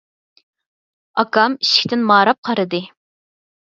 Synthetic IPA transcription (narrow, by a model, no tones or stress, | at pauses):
ɑkɑmiʃi̥kʲt̪ɪnmɑːɾɑp̚qʰɑɾɨd̪ɨ